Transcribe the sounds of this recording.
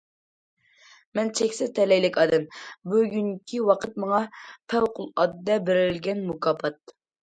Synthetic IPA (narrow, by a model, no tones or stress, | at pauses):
mɛnt͡ʃʰɛkʲsɪzt̪ʰɛlɛjlɪkʲɑːd̪ɛmbuɡʲyŋkʲʰiwɑqʰət̪̚mɑŋɑpʰɛwqʰʊlˠɑd̪d̪ɛbɪɾɪlɡʲɛnmukʰɑːpʰɑt̪̚